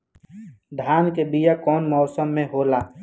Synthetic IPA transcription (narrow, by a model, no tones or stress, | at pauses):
ɖʱaːnkebijakɔːnmɔːsəmːẽɦoːlaː